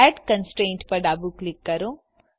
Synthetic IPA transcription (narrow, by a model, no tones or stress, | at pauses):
əɖkənsʈɾẽːɳʈpɐɾɖaːbuklɪkːɐɾõː